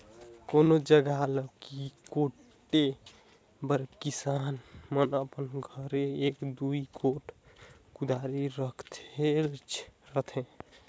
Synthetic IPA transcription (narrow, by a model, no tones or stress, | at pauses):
konod͡ʒəɡaləkikoʈː | e | bəɾbkisanmənəpənɡʱəɾeekd̪uikʰoʈ | kud̪ʱaɾiɾəkʰt̪ʰet͡ʃʰɾət̪ʰẽ